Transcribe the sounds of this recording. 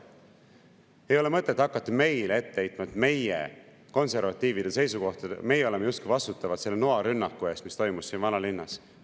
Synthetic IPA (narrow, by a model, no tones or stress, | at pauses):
e̞jo̞le̞mɤt̪ːˑet̪ːˑɑkːˑɑt̪ːɑme̞jlee̞t̪ːeejt̪ːˑmɑd̪̥me̞jḛ | ko̞nse̞rvɑt̪ːˑiːvid̪̥ese̞jsuko̞ht̪ɑd̪ḛme̞jeo̞lemeust̪kujvɑst̪ut̪ˑːɑvɑt̪se̞lːenoɑɾynːɑkːˑue̞ːst̪mist̪o̞jmusːiːnvɑnɑlinːɑs